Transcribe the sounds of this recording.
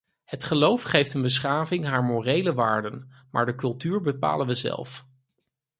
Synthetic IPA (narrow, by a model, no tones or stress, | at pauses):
hətχəlowfχejftənbəs̬χaːvɪŋɦaːɹmorejləʋaːɹdən | ma̰ːɹdəkɵlˠtyːɹbəpa̰ːlənʋəzɛ̰lˠf